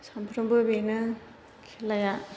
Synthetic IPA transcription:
sampʰɾɯmbɯbenɯ | kʰelːaja

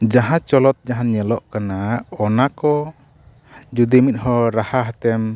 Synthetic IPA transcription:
d͡ʒaɦãt͡ʃɔlɔt̪̚d͡ʒaɦanɲɛlɔʔkanaɔnakɔ | d͡ʒud̪imit̪̚hɔɾahaɦɛt̪ɛm

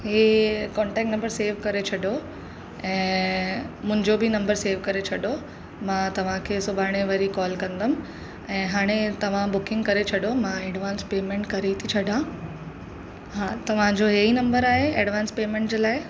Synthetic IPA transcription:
ɦeːkɔːɳʈɛːk̚ʈnɐ̃mbəɾseːʋkɐɾet͡ɕʰɐɗo | ɛ̃ː | mʊ̃ɦɪ̃ɲd͡ʑobɪnɐ̃mbəɾseːʋkɐɾet͡ɕʰɐɗo | mãːt̪ɐʋ̤ãkʰeːsʊbʱaːɽ̃eʋɐɾikɔːlkɐ̃nd̪əm̆ | ɛ̃ːɦaːɽ̃et̪ɐʋ̤ãbʊkɪ̃ŋɡkɐɾet͡ɕʰɐɗomãeːɖʋaːnspeːmẽɳʈkɐɾet̪ʰit͡ɕʰɐɖʱã | ɦaːt̪ɐʋ̤ãd͡ʑoɦeinɐ̃mbəɾaːɦeeːɖʋaːnspeːmẽɳʈd͡ʑeːlaːɪ

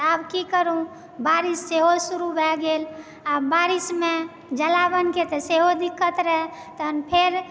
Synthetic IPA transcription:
abkikəɾũ | baɾisːeɦosuɾubʱɛɡel | abaɾisme | d͡ʒəlabənket̪əseɦod̪ikːət̪ɾəɦɛ | t̪əənpʰeɾ

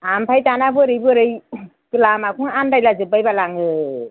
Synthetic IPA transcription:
ampʰajtanabɯɾɯjbɯɾɯj | bɯlamakʰuŋandajlazɯbajbalaŋɯ

